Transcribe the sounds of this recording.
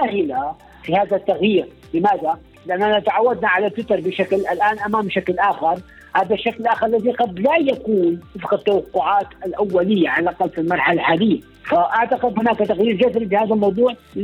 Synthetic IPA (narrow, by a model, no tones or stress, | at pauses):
ahɪla | fihaːðat̪ːaɣjiːɾ | lɪmaːða | lɪʔanːʔanat̪aʕawːad̪naʕalat̪ːwɪt̪ɑɾˤbɪʃaklʔalʔaːnʔamaːmʃaklʔaːxɪɾˤ | haːðaʃːaklʔaːxɪɾˤlːaðiqɑd̪lajakuːnwɪfqat̪ːawɑqːʊʕaːt̪alʔawːalɪjːaʕalʔqɑlfilmɑɾˤħalʕaːlɪjːa | faʔaʕt̪aqɪd̪hʊnaːkt̪aɣjiːɾd͡ʒasɾibɪhaːðalmɑwd̪ˤuːʕ